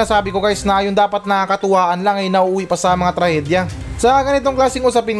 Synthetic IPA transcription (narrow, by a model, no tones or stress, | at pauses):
asaːbɪko̞kaːjɪsnɐʔɐjond̪aːpɐt̪̚nɐakɐt̪ʊwaːʔɐnlaŋɐjnɐʔuʔuːwipɐsɐmɐŋat̪ɾɐhɛːd̪jɐ | sɐɡɐnɪt̪o̞ŋklaːsɪŋʔʊsɐpɪn